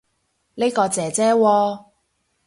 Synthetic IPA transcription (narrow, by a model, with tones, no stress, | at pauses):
ne˥jkɔː˧t͡sɛː˨˧t͡sɛː˥wɔː˧